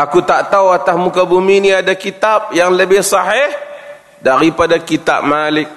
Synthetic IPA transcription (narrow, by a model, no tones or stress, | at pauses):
akut̪aʔt̪awat̪asmukabuminiadakit̪ap̚jaŋləbɪhsaɦɪh | daɾipadakit̪a̰p̚malɪk̚